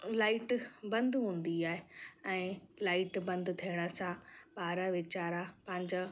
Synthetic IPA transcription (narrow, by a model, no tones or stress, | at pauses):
laːɪʈbɐ̃nd̪ɦũːn̆d̪iaːɦeɛ̃ːlaːɪʈbɐ̃nd̪t̪ʰiəɽ̃əsãɓaːɾəʋɪt͡ɕaːɾapɐ̃ɦɪ̃ɲd͡ʑa